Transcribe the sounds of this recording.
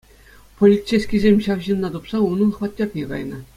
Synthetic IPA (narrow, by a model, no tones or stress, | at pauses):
polʲisesʲkʲizʲemʲɕɑʋʑinːɑt̪upsɑunːɤnχʋɑt̪̚ʲːɑpʲjʲiɡɑ̰jnɤ̆